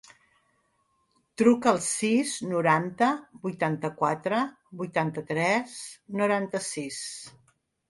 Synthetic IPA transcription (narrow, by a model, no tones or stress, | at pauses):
t̪ɾukəːlˠsiznuɾant̪əbujt̪ant̪əkwat̪ɾə | bujt̪ant̪ət̪ɾɛsnuɾant̪əsis